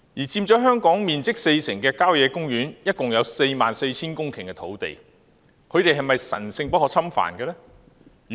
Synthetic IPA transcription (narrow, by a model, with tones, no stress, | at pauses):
jiː˨˩t͡siː˧mt͡ʃɔː˨˥ɦœː˥ŋkɔː˨˥ŋmiː˨nt͡sɪ˥k̚se˧jsɪ˨˩ŋkɛː˧kaː˥wjɛː˨˧kʊ˥ŋjyː˨˥njɐ˥t̚kʊ˨ŋjɐ˨˧wse˧jmaː˨nse˧jt͡sʰiː˥nkʊ˥ŋkʰɪ˨˩ŋkɛ˧t̪ʰo˨˥wt̪ḛ˨j | kʰɵ˨˧ɥt̪e˨jɦɐ˨jmɐ˨jsɐ̰˨˩nsɪ˧ŋpɐ˥t̚hɔː˨˧˥t͡sʰɐ˥mfa̰ː˨˩nkɛː˧lɛ˥˨